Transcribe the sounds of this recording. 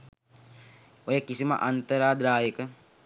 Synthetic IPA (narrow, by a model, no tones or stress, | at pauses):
ojakisima̰ʔant̪əɾaːd̪ɾaːjikə